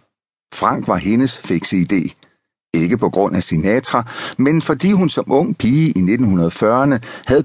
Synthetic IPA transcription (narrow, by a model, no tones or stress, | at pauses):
fʁɑ̈ŋ̰ɡ̥ʋɑ̈he̝nəsfe̝ɡ̥səid̥e̝̰ː | e̝ɡ̥əpʰɒ̽ɡ̥ʁɔ̽n̰æsinɛt͡sʰʁɐmenfɒ̽d̥ḭːɦunsɒ̽mʔɔ̽ŋ̰pʰiːəʔine̝d̥n̩hunɐð̞̩ˠfɶɐɐnəhæð̩ˠ